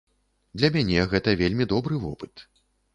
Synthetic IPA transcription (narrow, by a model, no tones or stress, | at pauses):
d̪lʲɐmʲanʲɛɣɛt̪ɐvʲelʲmʲid̪ɔbɾɨvɔ̰pɨ̥t̪